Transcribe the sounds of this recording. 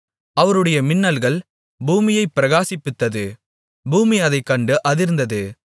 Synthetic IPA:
ɐʋɐɾɯɽɐjɐmɪnːɐlɣɐɭ | buːmɪjɐɪpːɪɾɐɣaːsɪpːɪt̪ːɐðɯ | buːmiɐðɐɪkːɐɳɖɯʔɐðɪɾɯnd̪ɐðɯ

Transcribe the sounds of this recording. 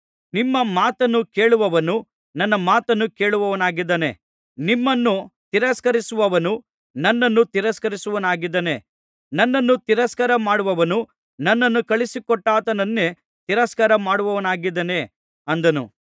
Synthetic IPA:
nimːɐmaːt̪ɐnːuke̞ːɭuʋɐʋɐnu | nɐnːɐmaːt̪ɐnːuke̞ːɭuʋɐʋɐnaːɡid̪ːɐne | nimːɐnːut̪iɾɐskɐɾisuʋɐʋɐnu | nɐnːɐnːut̪iɾɐskɐɾisuʋɐnaːɡid̪ːɐne̞ | nɐnːɐnːut̪iɾɐskɐɾɐmaːɽuʋɐʋɐnu | nɐnːɐnːukɐɭisikɔʈːaːt̪ɐnɐnːe | t̪iɾɐskɐɾɐmaːɽuʋɐʋɐnaːɡid̪ːɐne̞ | ɐnd̪ɐnṵ

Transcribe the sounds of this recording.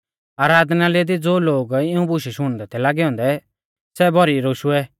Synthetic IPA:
aːɾaːd̪naled̪id͡zoːloːɡɪũbʊʃiʃɦʊɽ̃d̪ɛt̪ʰɛlaːɡɛɔ̃ːnd̪ɛ | sɛbɔɾiɾoːʃuɛ

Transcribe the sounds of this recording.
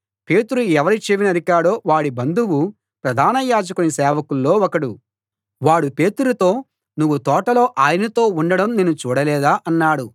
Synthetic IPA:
pe̞ːt̪uɾuɛʋɐɾit͡ʃeʋinɐd̪ʱikaːɽo̞ːʋaːɽibɐnd̪uwu | pɾɐd̪ʱaːnɐjaːd͡ʒɐkunisɛːʋɐkulːo̞ːɔkɐɽu | ʋaːɽupe̞ːt̪uɾut̪o̞ː | nuʋut̪ɔːʈɐlo̞ːʔaːjɐnɐt̪o̞ːuɳɖɐɽɐmnenːut͡ʃuːɽɐlɛːd̪aːʔɐnːaːɽu

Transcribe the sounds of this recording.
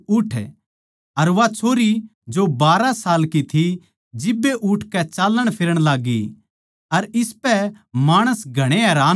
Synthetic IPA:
ʊʈʰ | ɐɾʋat͡ʃʰoːɾid͡ʒobaːɾasaːlkit̪ʰi | d͡ʒɪbːeʔʊʈʰkɛt͡ʃaːlːəɽ̃pʰɪɾəɽ̃laːɡi | ɐɾɪspɛ | maːɽ̃əsɡʱɐɽ̃eɦɛːɾaː

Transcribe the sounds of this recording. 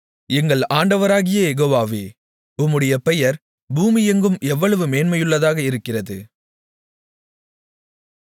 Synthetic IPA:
ɛŋɡɐɭaːɳɖɐʋɐɾaːɣɪjɐjɛɣoːʋaːʋeː | ʊmːɯɽɐjɐpɛjɐɾ | buːmɪjɛŋɡɯmɛʋːɐɭɐʋɯmeːnmɐjɯɭːɐðaːɣɐɪɾɯkːɪrɐðɯ̰

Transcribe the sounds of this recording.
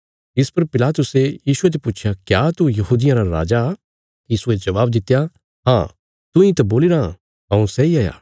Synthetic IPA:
ɪspɐɾpɪlaːt̪ʊsejiːsʊed͡ʒepuːt͡ʃʰjakjaːt̪ujɐɦuːd̪ɪjãɾaɾa̰ːd͡ʒa | kiɪsued͡ʒɐʋaːbd̪ɪt̪ːeja | ɦã̰ː | t̪ʊ̃ĩt̪ɐboːlɪɾa | ɦɐ̃ũsɛiaːja̰ː

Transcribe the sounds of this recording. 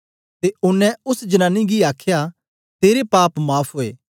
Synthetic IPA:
t̪eʊnːɛ̃ʊsd͡ʒənaːnːiɡiaːkʰja | t̪eːɾepaːpmaːpʰɦoːeː

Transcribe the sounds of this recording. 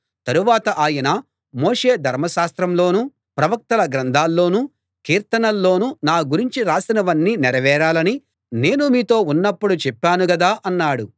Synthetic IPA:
t̪ɐɾuʋaːt̪ɐʔaːjɐnɐ | moːʂe̞ːd̪ʱɐɾmɐʃaːst̪ɾɐmlo̞ːnu | pɾɐʋɐk̚t̪ɐlɐɡɾɐnd̪ʱaːlːo̞ːnu | kiːɾt̪ɐnɐlːo̞ːnunaːɡuɾiɲt͡ʃiɾaːsinɐʋɐnːiːniɾɐʋɛːɾaːlɐni | ne̞ːnumiːt̪o̞ːunːɐpːuɽut͡ʃɛpːaːnuɡɐd̪aːʔɐnːaːɽu

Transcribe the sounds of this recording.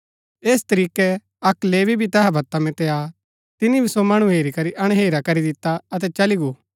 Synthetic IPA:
eːst̪ɐɾiːkɛ | ɐkleːbʱibʱit̪ɛɦabʱɐt̪amɛ̃t̪ɛa | t̪ɪnibʱisomɐɽ̃uɦeːɾikɐɾiʔɐɽ̃ɦeːɾakɐɾid̪ɪt̪aɐt̪̬ɛt͡ʃɐliɡoː

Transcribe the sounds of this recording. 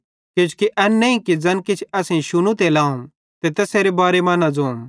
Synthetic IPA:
ket͡ʃʰu̥kiʔɛnːɐ̃ĩkid͡zɐnkit͡ʃʰɐsẽʃʊnũt̪elãːũ | t̪et̪eːseːɾebaːɾemɐːnad͡zoːm

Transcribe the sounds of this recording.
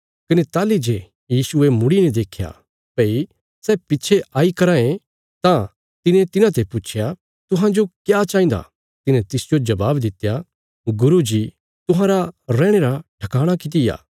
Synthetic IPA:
kɐnet̪aːlid͡ʒe | jiːsʊemʊɽinɛ̃d̪eːkʰja̰ | pɐi | sɛːpɪtːt͡ʃʰeaːikɐɾãːẽ | t̪ã | t̪ɪnẽt̪ɪnãt̪̬epʊt͡ʃʰja | t̪ʊɦãd͡ʒokjat͡ʃaːĩnd̪a̰ | t̪ɪnɛ̃t̪ɪsd͡ʒod͡ʒɐbaːbd̪ɪt̪ːja | ɡʊɾud͡ʒi | t̪ʊɦãːɾaɾɛ̃ːɽ̃eɾaʈʰɐkaːɽ̃akɪt̪̬ɪja̰ː

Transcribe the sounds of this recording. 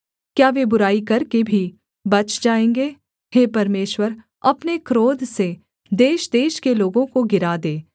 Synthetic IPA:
kjaːʋebʊɾaːikɐɾkebʱi | bɐt͡ʃʰd͡ʒaːẽːŋɡeː | heːpɐɾmeːʃwəɾ | ɐpnekɾoːd̪ʱse | d̪eːʃd̪eːʃkeloːɡõkoɡɪɾad̪eː

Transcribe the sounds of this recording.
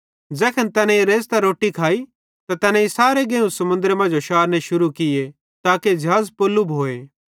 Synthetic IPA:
d͡zɛːkʰənt̪ɛːnɛ̃iɾeːst̪aɾoːʈikʰaːi | t̪at̪ɛːnɛ̃isaːɾeɡẽːũsɐmʊ̃nd̪əɾmɐ̃nd͡ʒoʃaːɾnɛ̃ʃʊɾukɪje | t̪aːked͡ʒʱaːzpoːlːubɦoːeː

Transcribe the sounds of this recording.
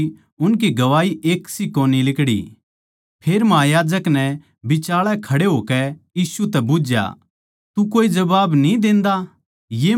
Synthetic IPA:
ʊnk̬iɡɐʋaːiʔeːksikoːnilɪkɽḭ | pʰeːɾmɐɦaːjaːd͡ʒəknɛ | bɪt͡ʃaːɭɛkʰɐɽeɦoːkɛjiːsut̪ɛbʊd͡ʒja̰ | t̪ukoːid͡ʒɐbaːbnĩd̪ẽːnd̪a | jeː

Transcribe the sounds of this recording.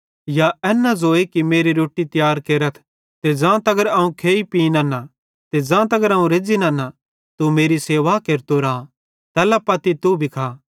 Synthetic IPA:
jaɛːnad͡ʒoːekimeːɾiɾoːʈit̪jaːɾkeːɾət̪ʰ | t̪ed͡ʒãːt̪ɐɡəɾɐũkʰeːipinaːna | t̪ed͡ʒãːt̪ɐɡəɾɐũɾeːd͡ʒinãːna | t̪umeːɾiseːʋakeːɾt̪oɾãː | t̪ɛːlapɐt̪it̪ubʱikʰaː

